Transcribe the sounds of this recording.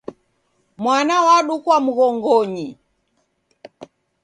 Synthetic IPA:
mwanawaɗukwam̩ɣɔŋɡɔɲi

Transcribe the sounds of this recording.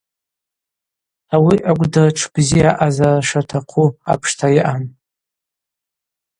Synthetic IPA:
awiʔakʷʼdɨʈ͡ʂʰb̥ziaʔazaʂatʰaqʰua̰pʰʂtʰaiʔan

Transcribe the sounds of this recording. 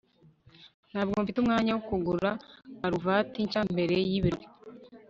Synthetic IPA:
nhaːbɡoɱfitumŋaːɲawokuɡuɾɾaːɾuvaːtiɲt͡ʃambeɾe̞jiβiɾe

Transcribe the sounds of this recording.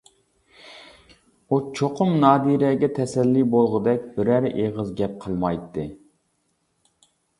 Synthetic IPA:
ut͡ʃʰoqʰʊmnɑːd̪iɾɛɡʲɛt̪ʰɛsɛlːibolˠʁʊd̪ɛk̚ʲbɪɾæɾʔeʁəzɡʲɛp̚qʰəlˠmɑjt̪ʰːɨ

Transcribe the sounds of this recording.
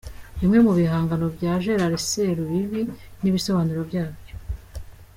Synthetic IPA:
βimŋe̞muβiɦaːŋɡano̞bjaːʒe̞ɾaɾeseɾuβiβiniβiso̞βaːnuɾobjaːbjo

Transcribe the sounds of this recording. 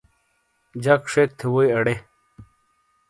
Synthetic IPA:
d͡ʑɐkʂek̚t̪ʰewojɐɽe

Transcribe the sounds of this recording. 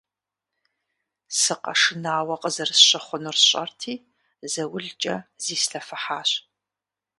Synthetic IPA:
sɨqɐ̰ʂɨnaːwɐqʼəzɐrsɕɪχʷʊnʊrɕʼɐ̰rtʰiː | zɐwʊɮt͡ʃʼɐz̥iːsɬɐfɨħaːɕ

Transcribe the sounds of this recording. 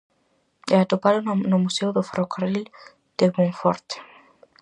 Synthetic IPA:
eat̪opaðonʊmusewðofɾokaril | d̪̥emõɱfoɾt̪

